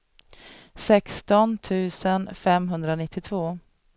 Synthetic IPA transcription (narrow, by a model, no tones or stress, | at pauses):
sɛkst̪ɔnt̪ʰʉ̟ːsənfɛmɦɵnd̪ɾanɪt̪ʰːɪt̪ʰvoː